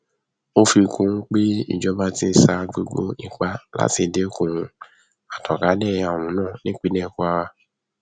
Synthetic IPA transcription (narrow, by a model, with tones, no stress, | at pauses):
o˦fi˧˨kũ˨˦k͡pe˦ḭ˦˨d͡ʒɔ˨˦ba˦tĩ˦sa˧ɡ͡bo˧˦ɡ͡bo̰˦nĩ˨k͡pa˧la̰˦ti˧˨de˦kũ˨ũ˧ | a˨tɔ̃˨ka˨˦nɛ̃˦˨ja˨w̃ũ˨˦nãː˦˨nĩ˨˦k͡pi˦nɛ̃˦˨ku˧˦a˧wa˧